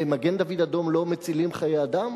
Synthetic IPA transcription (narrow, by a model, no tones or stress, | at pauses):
emaɡend̪avid̪ad̪o̞mlo̞met͡silimχajead̪am